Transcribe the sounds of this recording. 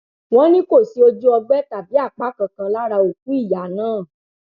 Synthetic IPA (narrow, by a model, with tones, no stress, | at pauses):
w̃ɔ̃˦nĩ˦ko˦˨si˨˦o˧d͡ʒu˦ɔ˧ɡ͡bɛ˦ta˨bi˨˦a˦˨k͡pa˦kã˧kã˧la˦ɾa˧o˨k̚u˨˦i˦˨ja˨˦nãː˦˨